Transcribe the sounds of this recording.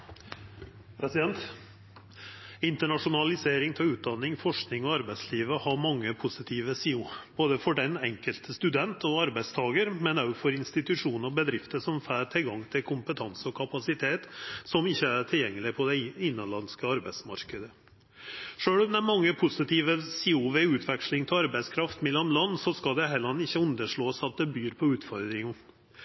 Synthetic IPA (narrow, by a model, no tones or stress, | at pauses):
pʰɾɛsɪd̪ɛnt̪ | ɪnt̪əɳɑʂʊnɑlɪseːɾɪŋt̪ʰɛʉːt̪̚d̪ɑnːɪŋfɔʂknɪŋɔɑɾbæɪt̪sliːʋəhɑɾmɑŋːəpʰʊsɪt̪ʰiːʋəsiːʊb̥oːd̪əfɔɖɛnɛŋkəlt̪ʰəst̪ʉd̪ɛnt̪ɔɑɾbæɪst̪ʰɑːɡəɾmɛnɑʉɡfɔɾɪnst̪ɪt̪ʉʂuːnəɔbəd̪ɾɪft̪əsɔmfæːɾʈ̪ʰɪlɡɑŋːt̪ʰɪlkʰʊmpət̪ʰɑnsəɔkʰɑpɑsɪt̪ʰeːt̪sɔmɪçːəæʈʰɪljɛŋːəlɪpʰɔd̪ɛɪnːənlɑnskəɑɾbæɪsmɑɾkəd̪ə | ʂøːɽɔmd̪ɛmɑŋːəpʰʊsɪt̪ʰiːʋəsiːuːʋeʉːt̪ʰʋɛkʂlɪŋt̪ʰɪɑɾbæɪskʰɾɑft̪mɛlɔmlɑnːsɔskɑld̪ɛɦɛlɑnːɪçːəʉnd̪əʂɭoːsɑt̪̚d̪ɛbyːɾpʰɔʉːt̪fɔɾd̪ɾɪŋ